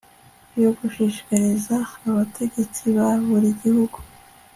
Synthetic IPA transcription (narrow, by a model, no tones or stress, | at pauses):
joɡuʃiʃkaɾizaːβatʰe̞ɟe̞t͡siβaβuɾiɟihuɡ̥u̥